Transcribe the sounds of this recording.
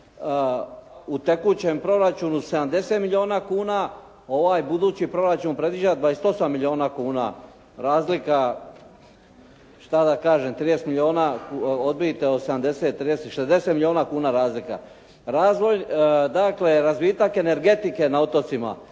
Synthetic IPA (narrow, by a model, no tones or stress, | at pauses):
ut̪ekuːt͡ɕempɾo̞ɾat͡ʃuːnuse̞d̪amd̪e̞seːt̪milʲio̞ːnakuːna | o̞ʋaːjbud̪uːt͡ɕipɾo̞ɾat͡ʃuːnpɾe̞d̪ʋid͡ʒad̪ʋaːest̪o̞samːilʲio̞ːnakuːna̰ | ɾaːzlika | ʃt̪ad̪akaːʒemt̪ɾiːjest̪milʲio̞ːnakod̪̚bijt̪eosed̪amd̪e̞set̪ːɾiːd̪esʃezd̪e̞set̪milio̞ːnakuːnaɾaːzlika̰ | ɾaːzʋo̞jd̪akle̞ɾazʋit̪ake̞ne̞ɾɡe̞t̪ike̞naot̪o̞t̪sima̰